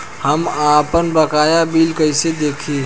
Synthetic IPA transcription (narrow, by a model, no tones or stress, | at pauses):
həmapənbəkaːjabilkəɪsed̪ekʰi